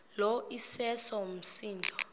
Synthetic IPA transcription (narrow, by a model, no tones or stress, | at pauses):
lɔʔisɛsɔm̩siːntʼɔ